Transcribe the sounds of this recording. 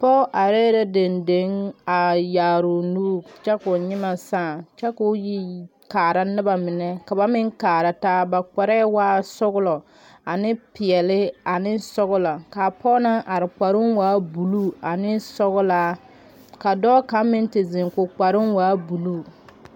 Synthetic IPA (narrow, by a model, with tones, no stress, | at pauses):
pɔ˦ʔa˨ɾeː˦ɾɛ˦de˨nde˨˦ŋa˨jaː˨ɾʊ˨nuː˦t͡ʃɛ˦kʊ˨ɲɪ˦ma˨saː˦˨t͡ʃɛ˦kʊ˦ji˦ | kaː˨ɾa˦nɪ˦ba˨mɪ˨nɛ˦ka˨ba˦mɪ˦ŋkaː˨ɾa˨taː˦ba˨k͡pa˨ɾɛ˦waː˦sʊ˦ɣʊ˦lɔ˨ | a˨nɪ˦pɪ˨ɛ˨lɪ˦a˨nɪ˦sɔ˦ɣʊ˦la˨ka˨pɔ˦na˦ʔa˨ɾɪ˨k͡pa˨ɾɪ˦ŋwaː˦bu˨lu˦a˨nɪ˦sɔ˦ɣʊ˦la˦ | ka˨dɔː˦ka˨˦mɪ˦n˦tɪ˨zɪ˨ŋkʊ˨k͡pa˨ɾɪ˦nwaː˦bu˨lu˦